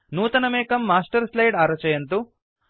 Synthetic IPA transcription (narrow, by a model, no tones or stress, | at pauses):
nuːt̪ɐnɐmeːkɐmːaːsʈɐɾslɐjɖaːɾɐt͡ʃɐjɐnt̪u